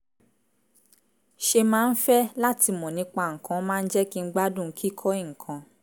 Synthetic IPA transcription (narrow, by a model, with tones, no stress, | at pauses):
ʃe˧mãː˦n̩˦fɛ˦la˦ti˧mɔ̃˨nĩ˨˦k͡pa˧˨ŋ̩˨kã˨˦mãː˦˧n̩˦d͡ʒɛ˦ki˦ŋ̩˦ɡ͡ba˦dũ˦˨˦kʰi˦kʰɔ˦i˦˨kʰã˧